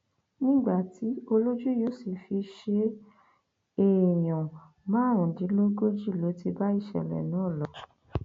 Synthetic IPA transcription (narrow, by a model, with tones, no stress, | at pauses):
nĩ˦ɡ͡ba˦˨ti˨˦o˧lo˦d͡ʒu˦jo˦si˨fi˧ʃe˧ | e˨j̃ɔ̃˨ | mãː˨˦˨ɾ̃ũ˨dĩ˨˦lo˦ɡo˦d͡ʒi˦˨lo˨˦ti˧ba˦i˦˨ʃɛ̰˨lɛ̰˨nãː˨˦˨lɔ˨˦